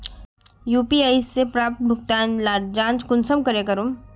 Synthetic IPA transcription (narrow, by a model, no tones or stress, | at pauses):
juːpiaːjisːepɾaːp̚t̪̚bʱʊkt̪aːnlaːɾd͡ʒãːnt͡ʃkʊnsəmkɐɾekɐɾoːm